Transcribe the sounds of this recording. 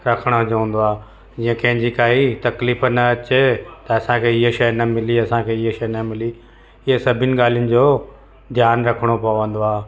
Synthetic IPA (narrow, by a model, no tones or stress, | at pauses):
ɾɐkʰəɽ̃oɦʊd͡ʑə̃ːn̆d̪oaː | d͡ʑiːə̃kɐ̃ɦɪ̃ɲd͡ʑikaːit̪ɐkliːfnɐɐt͡ɕet̪ɐɐsãkʰeːɪɦeʃɐjnɐmɪliɐsãkʰeɪɦʃɐjnɐmɪli | ɪɦesɐbʱɪnɪ̆ɠaːl̤ijʊnɪ̆d͡ʑoː | d̪ʱjaːnɾɐkʰəɽ̃opɐjoʋə̃n̆d̪oaːɦ